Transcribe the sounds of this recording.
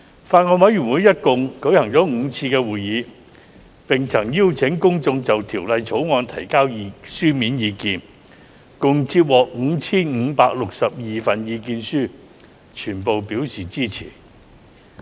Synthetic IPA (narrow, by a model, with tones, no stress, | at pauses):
faː˧t̚ŋɔː˧nwɐ˨˥jɥy˨˩nwuː˨˥jɐ˥t̚kʊ˨ŋkɵ˨˥hɐ˨˩ŋt͡sɔː˨˥ŋ̩ː˨˧t͡sʰiː˧kɛː˧wuː˨jjiː˨˧ | pɪ˨˩ŋt͡sʰɐ˨˩ŋji˥wt͡sʰɪ˨˥ŋkʊ˥ŋt͡sʊ˧ŋt͡sɐ˨wt̪ʰiː˨˩wlɐ˨jt͡sʰo˨˥wŋɔː˧nt̪ʰɐ̰˨˩jkaː˥wji˨˧syː˥miː˨˥njiː˨˧kiː˨n | kʊ˨ŋt͡siː˧t̚wɔː˨˩k̚ŋ̩ː˨˧t͡sʰiː˥nŋ̩˨˧paː˧k̚lʊ˨k̚sɐ˨p̚jiː˨fɐ˨njiː˨˧kiː˧nsyː˥ | t͡ʃʰyː˨˩npo˨wpiː˨˥wsiː˨t͡siː˥t͡sʰḭː˨˩